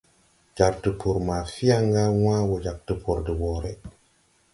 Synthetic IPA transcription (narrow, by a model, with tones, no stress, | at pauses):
d͡ʒa˨ɾtə˨pʰo˨ɾma˨fi˦ja˦ŋɡa˦w̃a˦wo˨d͡ʒa˨k̚tə˨pʰo˨ɾdə˨wo˨ɾe˦